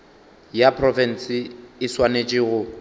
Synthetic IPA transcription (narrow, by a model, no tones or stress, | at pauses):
japʰrɔfɛn̩sɪɪswanet͡ʃʼɪɣʊ